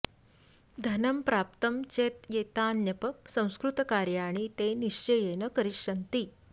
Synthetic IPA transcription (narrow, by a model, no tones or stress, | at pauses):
d̪ʱɐnəmpɾaːp̚t̪əmt͡ɕeːt̪jeːt̪aːnjɐpəsɐ̃w̃skɾut̪kaːɾjaːɽ̃it̪eniʂt͡ɕejenəkɐɾiʂʂɐnt̪iː